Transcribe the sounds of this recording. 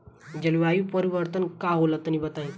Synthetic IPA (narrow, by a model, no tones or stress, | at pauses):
d͡ʒəliʋajipəɾiʋəɾt̪ənkaɦolət̪ːənibət̪ae